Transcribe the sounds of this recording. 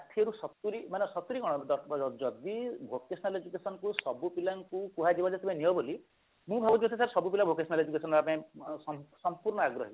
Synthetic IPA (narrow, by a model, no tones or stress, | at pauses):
at̪ʰieɾusɔt̪uɾimanesɔt̪uɾikɔɽ̃ɔd̪ɔɔd͡ʒɔd̪ibʱokesnaled͡ʒukesɔnɔkusɔbupilaŋkukuɦad͡ʒibad͡ʒat̪ibẽniɔboli | mũbʱabɔd͡ʒ̪it̪ʰisaɾsɔbup̬ilabʱokesɔnaled͡ʒukesɔnapãjẽɔsɔmpuɾɳɔaɡɾɔɦi